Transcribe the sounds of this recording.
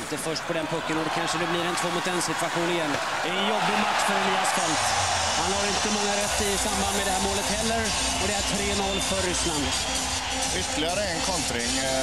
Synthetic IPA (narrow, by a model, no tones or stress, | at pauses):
nt̪əfœʂʈ̚pʰɔd̪ɛnpʰɵkːənoːɖ̪kʰanʂəd̪ɛblɪɾɛnt̪ʰvoːmʊt̪ːɛnsɪt̪vaɧuːnnɪjɛnː | d̪ɛɛnjɔbːɪɡmaksfəɾɛnyːaskɔlt̪ | hanhaɾɪnt̪əmɔŋːaɾɛt̪ːɪsamband̪mɛd̪ɛhæːɾmoːlət̪hɛlːəɾ | ɔd̪ɛæʈʰɾeːnɔlfœɾːʏsland̪ | ʏt̪ːəɭɪɡaɾəɛnkʰɔnt̪ɾɪŋ